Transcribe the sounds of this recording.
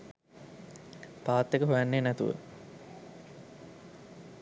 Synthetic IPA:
paːt̪ːekəɦujanːenæt̪ṵʋə̰

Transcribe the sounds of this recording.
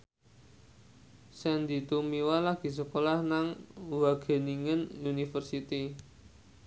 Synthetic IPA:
sɛnd̪i̤t̪umiwalaɡ̥i̤s̬əkolahnaŋwaɡ̥e̤niŋənunifərsit̪i

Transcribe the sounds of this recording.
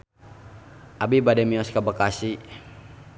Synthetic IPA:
ʔabibadɛmiɔskabakasi

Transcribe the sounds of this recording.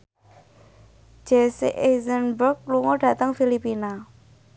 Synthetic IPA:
d͡ʒ̥ɛsiʔezənbɾʊk̚luŋɔɖ̥ä̤t̪əŋfilipina

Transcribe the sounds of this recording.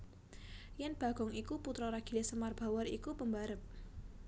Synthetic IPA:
janb̥a̤ɡ̥ɔŋikuput̪ɾɔɾaɡ̥ilesəmarb̥awaɾikupəmbaɾəp̚

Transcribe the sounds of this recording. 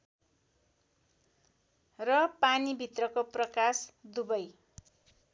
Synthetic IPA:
rʌpanibʱit̪rʌkoprʌkasd̪ubʌj

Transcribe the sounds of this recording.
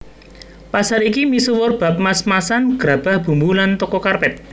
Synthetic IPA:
pasaɾikimisuwʊrb̥a̤p̚masmasanɡ̥ɾab̥a̤hb̥ṳmbulant̪ɔkɔkarpɛt̪̚

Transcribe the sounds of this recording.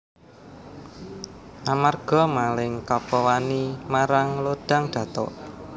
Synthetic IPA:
ʔamarɡ̥ɔ̤malɪŋkapɔwanimaɾaŋlod̥a̤ŋd̥ä̤t̪ɔ̰ʔ

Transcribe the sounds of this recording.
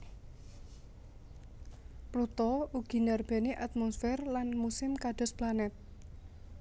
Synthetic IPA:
plut̪ɔuɡ̥i̤narb̥e̤neʔat̪̚mɔsfɛrlanmusɪmkad̥ɔ̤splanɛt̪̚

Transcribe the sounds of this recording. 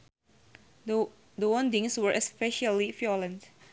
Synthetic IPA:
d̪əwɔ̃ndĩŋswəɹʔɛspɛʃalifjɔlə̃nt

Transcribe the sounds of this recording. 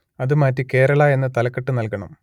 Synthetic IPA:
ɐðɨmaːtːike̞ːɾɐɭaːe̞nːɨt̪ɐlɐkːɐʈːɨnɐlkɐɳɐ̰m

